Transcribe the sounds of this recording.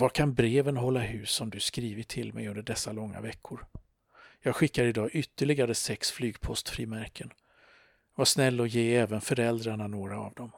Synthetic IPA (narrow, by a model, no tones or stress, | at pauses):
vakʰanbɾeːvənɦɔlːaɦʉ̟ːsɔmd̪ɵskɾiːvəʈʰɪlmɛ̰jɵnd̪əɖɛsːalɔŋːa̰vɛkʰːʊɾ | jɑːɡɧɪkːaɾɪd̪ɑːʔʏt̪ːəɭɪɡaɾəsɛksflyːɡpʰɔst̪fɾiːmæɾkʰən | vaʂnɛlːɔjeːɛːvənfœɾɛld̪ɾaɳanoːɾa̰ːvd̪ɔm